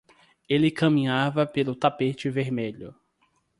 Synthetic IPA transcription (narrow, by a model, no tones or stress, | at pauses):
elɪkɐ̃mĩɲavɐpelʊt̪apet͡ʃɪveɾmeʎʊ